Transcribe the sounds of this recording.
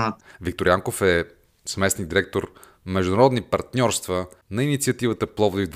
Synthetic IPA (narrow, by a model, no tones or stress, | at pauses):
vik̚t̪oɾjaŋkofɛ | smɛsniɡd̪iɾɛk̚t̪oɾ | mɛʒd̪uʊnɐɾɔd̪nipɐɾt̪nʲɔɾst̪vənɐinit̪siɐt̪ivət̪əplˠɔvod̪ivd̪